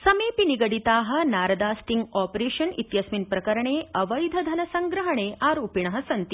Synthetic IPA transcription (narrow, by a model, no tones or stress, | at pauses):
sɐmeːpiniɡɐɽit̪aːɦɐ̆naːɾɐd̪aːst̪iŋɡaːpɾeːʃɐnḭt̪jɐsminpɾɐkɐɾɐɳeːɐʋɐjd̪ʱɐd̪ʱɐnɐsɐŋɡɾɐɦɐɳeːʔaːɾoːpiɳɐɦɐsɐnt̪i